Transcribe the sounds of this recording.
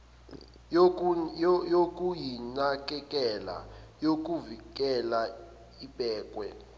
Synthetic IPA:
jok̬ʼujinak̬ʼɛk̬ʼɛla̰jok̬ʼuvik̬ɛla | iɓʼɛːk̬ʼwɛ

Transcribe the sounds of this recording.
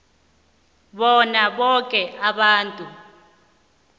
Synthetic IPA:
ɓɔnaɓɔkʼɛʔaɓaːntʼu

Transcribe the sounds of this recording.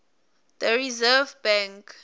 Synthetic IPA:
dəɹizɛvbɛ̃ŋk

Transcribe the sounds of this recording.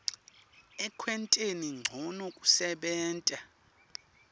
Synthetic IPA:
ɛkʰwɛntʼeniŋ͡ǀʱɔnokʼu̥sɛɓɛːntʼa

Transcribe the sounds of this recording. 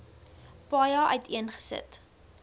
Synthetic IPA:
pɑːjɑːʔœɥtʰiənχə̥sə̰t

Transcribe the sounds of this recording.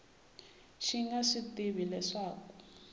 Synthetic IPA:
ʃiŋɡaʂitiβilɛʂaːku

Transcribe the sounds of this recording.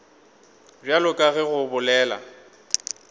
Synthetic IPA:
b͡ʐjalʊkʼaɣɪɣʊbʊlɛːla̰

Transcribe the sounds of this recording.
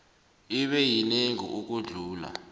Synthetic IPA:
iɓɛjineŋḭʔuk̬ʼuɮuːla̰

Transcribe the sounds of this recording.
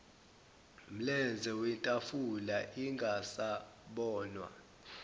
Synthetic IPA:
m̩lɛnd͡zʱɛwɛntʼafulaʔiŋɡʱasaɓɔːnwa̰

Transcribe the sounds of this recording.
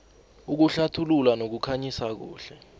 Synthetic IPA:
uk̬uɬatʰululanok̬ukʰaɲisak̬ṵːɬɛ

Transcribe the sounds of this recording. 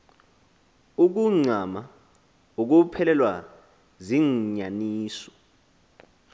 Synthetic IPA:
uk̬uŋ͡ǀʱama | uk̬upʰɛlɛlwa | ziŋɲaniːsɔ̥

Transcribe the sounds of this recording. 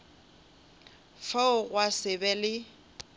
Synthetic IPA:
faʊɣwasɪbɛlɪ

